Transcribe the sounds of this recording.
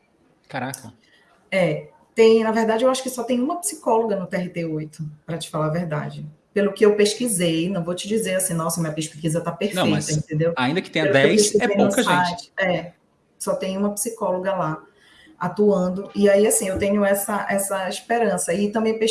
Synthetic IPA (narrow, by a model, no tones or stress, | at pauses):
kaɾakɐ | ɛ | t̪ẽj̃nɐveɦd̪ad͡ʒɪewaʃʊ̥kɪsɔt̪ẽj̃ũmɐpi̥sikɔloɡɐnʊt̪ɛɦit̪eojt̪ʊpɾɐt͡ʃɪ̥falaveɾd̪a̰d͡ʒɪpelʊkɪewpeʃkizejnɐ̃w̃vot͡ʃɪd͡ʒizeɾasĩnɔ̃sɐmĩɐpeʃpikizɐt̪apeɾnfɐ̃ejtsɐẽnt̪ẽnd̪ewaĩnd̪ɐkɪt̪ẽɲelɛpeizẽj̃ũkɐʒsẽajt͡ʃɪ̥ɛ | sɔt̪ẽj̃ũmɐpi̥sikɔloɡɐla | at̪uɐ̃d̪ʊiaiasĩewt̪ẽɲʊɛsɐʔɛsɐiʃpeɾɐ̃sɐɪt̪ɐ̃mbẽj̃pe